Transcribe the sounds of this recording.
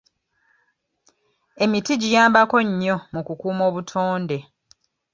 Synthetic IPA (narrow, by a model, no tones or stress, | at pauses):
e̞mitiɟijaːmbako̞ɲːo̞mukukuːmo̞ːβutʰoːnde̞